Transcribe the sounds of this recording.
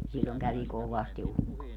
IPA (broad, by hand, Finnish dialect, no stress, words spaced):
silʲːoŋ kæʋi koʋɑsti ukːoi̯